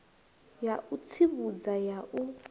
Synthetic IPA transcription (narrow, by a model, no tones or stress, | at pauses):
jaʔut͡sʰiβud͡zajaʔu